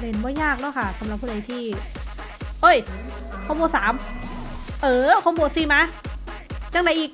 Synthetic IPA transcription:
ne˨˦nbɔː˧˩jaː˥˩k̚nɔ˧˥˩jkʰa˥˩sa˨˦mɾa˨˩p̚ʰːuː˧˩da˨˦jt̪ʰiː˥˩ | ʔɤ˧˥˩j | kʰɔː˧˩moː˧saː˩˦m | ʔɤː˧˩kʰɔː˧˥˩boː˨˧˩siː˨˩maː˧˥ | t͡ɕa˧˩ŋna˨˧˦jʔiː˨˩k̚

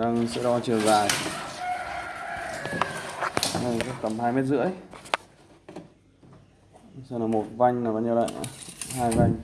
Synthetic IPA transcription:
ɗaː˧ŋsɛ̰˧˥ɗɔ˧t͡ɕɨ˨˩əzaː˨˩j | a˧˩˨ka˦˥k̚t̪ə˨˩mɦaː˧jme˦˥t̬̚zɨ̰˧˥əj | saː˧˩naː˨˩mo˨˩t̚va˧jŋ̟naː˨˩ɓaː˧ɲi˧la̰ː˧˨jʔa̰˧˩haː˧jva˧jŋ

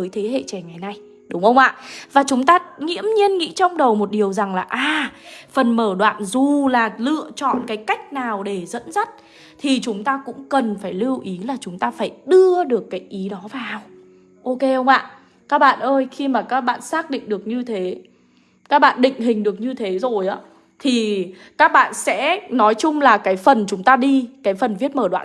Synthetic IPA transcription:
zəː˨˦jt̪ʰe˨˦ɦḛ˧˨t͡ɕɛ˨˩ŋa˨˩jna˧j | ɗʊ˨˦ŋ͡mxə˧wŋ͡mʔa̰ː˧˨vaː˨˩t͡ɕʊ˨˦ŋ͡mt̪aː˧ŋḭ˧˥əmɲi˧ənŋḭ˧˥t͡ɕɔ˧wŋ͡mɗə˨˩wmo˨˩t̚ɗi˨˩əwza˨˩ŋlaː˨˩ʔaː˨˩fə˨˩nməː˧˩ɗwa̰ː˧˨nzu˨˩laː˨˩lɨ̰˧˨ət͡ɕɔ̰˧˨nkaː˨˦jka˦˥jk̟̚naː˨˩wɗe˧˩zə̰˧˥nzə˦˥t̚ | t̪ʰi˨˩t͡ɕʊ˨˦ŋ͡mt̪aː˧kʊ̰˧˥ŋ͡mkə˨˩nfaː˧˩jli˧wʔi˨˦laː˨˩t͡ɕʊ˨˦ŋ͡mt̪aː˧faː˧˩jɗɨ˧əɗɨ˨˩əkːaː˨˦jʔi˨˦ɗɔ˨˦vaː˨˩w | ʔo˧ke˧hə˧wŋ͡mʔa̰ː˧˨ | kaː˦˥k̚ɓa̰ː˧˨nʔəː˧jxi˧maː˨˩kaː˦˥k̚ɓa̰ː˧˨nsaː˦˥k̚ɗḭ˧˨ŋ̟ɗɨ˨˩ək̚ɲɨ˧t̪ʰe˨˦ | kaː˦˥k̚ɓa̰ː˧˨nɗḭ˧˨ŋ̟ɦï˨˩ŋ̟ɗɨ˨˩ək̚ɲɨ˧t̪ʰe˨˦zo˨˩jʔaː˨˦ | t̪ʰi˨˩kaː˦˥k̚ɓa̰ː˧˨nsɛ̰˧˥nɔ˨˦jt͡ɕʊ˧ŋ͡mlaː˨˩kaː˨˦jfə˨˩nt͡ɕʊ˨˦ŋ͡mt̪aː˧ɗi˧kaː˨˦jfə˨˩nvi˦˥ət̚məː˧˩ɗwa̰ː˧˨

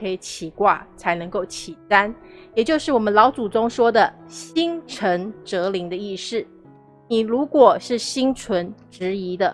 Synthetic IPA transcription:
kʰɤ˧˥i˧˩t͡ɕʰi˨˩kwa̰˥˩t͡sʰa˧˥ɪnɤ˧˥ŋko˥˩ʊt͡ɕʰi˨˩ta˥njɛ˨˩t͡ɕjo˥˧ʊʂɻ̩˥˩wɔ˨˩mə˦nlɑ˧˥ʊt͡su˨˩ʈ͡ʂʊ˥ŋʂwɔ˥d̪ə˨ɕi˥ŋʈ͡ʂʰə˧˥ŋʈ͡ʂɤ˧˥li˧˥ŋd̪ə˧i˥˧ʂɻ̩˥˩ | ni˨˩ɻu˧˥kwɔ˨˩ʂɻ̩˥˩ɕi˥ŋt͡sʰwə˧˥nʈ͡ʂɻ̩˧˥i˧˥d̪ə˧˨

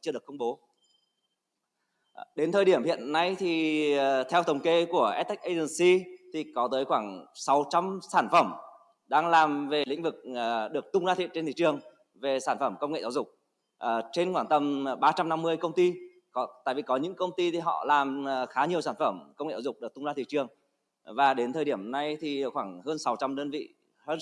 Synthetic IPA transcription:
t͡ɕɨ˧ɗəkə˧ŋ͡mɓo˨˦ | ɗe˨˦nt̪ʰəː˨jɗi˧˩əmhḭ˧˨ənːa˧jt̪ʰi˨˩˨t̪ʰɛ˧wt̪ʰə˨˩wŋ͡mke˧ku˧˩əʔɛ˦˥t̪̚ːk̟̚ʔə˧zə˧˩nsi˧t̪ʰi˨˩kɔ˨˦t̪əː˨˦jxwaː˧˩ŋsa˨˦wt͡ɕa˧msaː˧˩nfə˧˩m | ɗaː˧ŋlaː˨˩mve˨˩lḭ̈˧˥ŋ̟vɨ˨˩k̚ːɗɨ˨˩ək̚t̪ʊ˧ŋ͡mzaː˧t̪ʰḭ˧˨ə˨nt͡ɕe˧nt̪ʰi˧˨˩t͡ɕɨ˨˩əŋ | ve˨˩saː˧˩nfə˧˩mkə˧wŋ͡mŋḛ˧˨zaː˧˩wzʊ˨˩k͡p̚ | ʔt͡ɕe˧nxwaː˧˩t̪ə˧mɓaː˧t͡ɕa˧mna˧mːɨ˧əjkə˧wŋ͡mt̪i˧ | kɔ˨˦t̪a̰ː˧˨jvi˨˩kɔ˨˦ɲɨ̰˧˥ŋkə˧wŋ͡mt̪i˧t̪ʰi˨˩ɦɔ̰˧˨laː˨˩m˨˩xaː˨˦ɲi˨˩əwsaː˧˩nfə˧˩mkə˧wŋ͡mŋḛ˧˨zaː˧˩zʊ˨˩k͡pɗɨ˨˩k̚t̪ʊ˧ŋ͡mzaː˧t̪ʰi˨˩t͡ɕɨ˨˩əŋ | vaː˨˩ɗe˨˦nt̪ʰəː˨˩ɗi˧˩əmna˧jt̪ʰi˨˩˨xwaː˧˩ŋhəː˧nsa˨˦wt͡ɕa˧mɗəː˧nvḭ˧˨ | hə˧

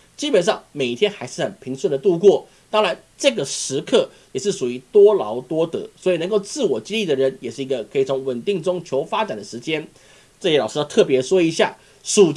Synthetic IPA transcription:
t͡ɕi˥pə˨˩nʂɑ˥˩ŋme˨˩ɪ˩t̪ʰjɛ˥nxa˧˥ɪʂɻ̩˥˩xə˨˩npʰi˧˥ŋswə˥˩nd̪ə˩t̪u˥˧kwɔ˥˩ | t̪ɑ˥ŋɻa˧˥˦n | ʈ͡ʂɤ˥˩ɡə˩ʂɻ̩˧˥kʰɤ˥˩ | jɛ˨˩ʂɻ̩˥˩ʂu˨˩i˧˥t̪wɔ˥lɑ˧˥ʊt̪wɔ˥t̪ɤ̰˧˥swɔ˧˥i˨˩nə˧˥ŋko˥˧ʊt͡sɹ̩˥˩wɔ˨˩t͡ɕi˥li˥˩d̪ə˩ɻə˧˦njɛ˨˩ʂɻ̩˥˩i˧˥ɡə˧kʰɤ˧˥i˨˩t͡sʰʊ˧˥ŋwə˨˩nt̪i˥˩ŋʈ͡ʂʊ˥ŋt͡ɕʰjo˧˥ʊfa˥ʈ͡ʂa˨˩nd̪ə˩ʂɻ̩˧˥t͡ɕjɛ˥n | ʈ͡ʂɤ˥˩ɕɛ˥lɑ˨˩ʊʂɻ̩˥˧ʊt̪ʰɤ˥˩pjɛ˧˥ʂwɔ˥i˧˥ɕja̰˥˩ | ʂu˨˩

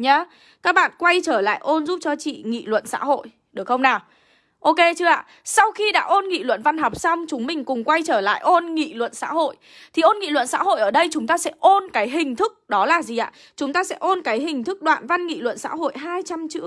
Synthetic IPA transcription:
ɲaː˨˧ | kaː˦˥k̚ɓa̰ː˧˨nkwa˧jt͡ɕəː˧˩la̰ː˧˨jʔo˧nzu˦˥p̚t͡ɕɔ˧t͡ɕḭ˧˨ŋḭ˧˨lwə̰˧˨nsa̰ː˧˥ho̰˧˨j | ɗɨ˨˩ək̚xə˧wŋ͡mnaː˨˩w | ʔo˧ke˧t͡ɕɨ˧əʔa̰ː˧˨ | sa˧wxi˧ɗa̰ː˧˥ʔo˧nŋḭ˧˨lwə̰˧˨nva˧nɦɔ˨˩wk͡p̚sa˧wŋ͡mt͡ɕʊ˨˦ŋ͡mmï˨˩ŋ̟kʊ˨˩ŋ͡mkwa˧jt͡ɕəː˧˩la̰ː˧˨jʔo˧nŋḭ˧˨lwə̰˧˨nsa̰ː˧˥ho̰˧˨j | t̪ʰi˨˩ʔo˧nŋḭ˧˨lwə˧˨nsa̰ː˧˥ɦo̰˧˨jʔəː˧˩ɗə˧jt͡ɕʊ˨˦ŋ͡mt̪aː˧sɛ̰˧˥ʔo˧nkaː˨˦jɦï˨˩ŋ̟t̪ʰɨ˦˥k̚ɗɔ˨˦laː˨˩zi˨˩ʔa̰ː˧˨ | t͡ɕʊ˨˦ŋ͡mt̪aː˧sɛ̰˧˥ʔo˧nkaː˨˦jɦï˨˩ŋ̟t̪ʰɨ˦˥k̚ɗwa̰ː˧˨nva˧nŋḭ˧˨lwə̰˧˨nsa̰ː˧˥ɦo̰˧˨jɦaː˧jt͡ɕa˧mt͡ɕɨ̰˧˥

